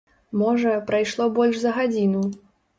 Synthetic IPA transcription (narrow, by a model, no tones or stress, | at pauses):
mɔʐɐpɾajʂlˠɔbɔlʲʂzɐɣad͡zʲinu